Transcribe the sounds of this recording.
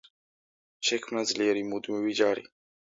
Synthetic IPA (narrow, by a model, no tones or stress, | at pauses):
ʃɛkʰmnazliɛɾimud̪miwid͡ʒaːɾḭ